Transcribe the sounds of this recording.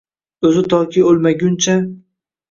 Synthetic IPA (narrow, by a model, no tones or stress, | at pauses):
ɵzɪt̪ʰɒkʲʰiolˠmaɡʲʊnt͡ʃʰa